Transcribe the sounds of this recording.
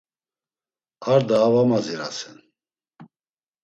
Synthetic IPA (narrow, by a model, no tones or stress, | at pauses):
aɾd̪aːvamaziɾa̰sɛn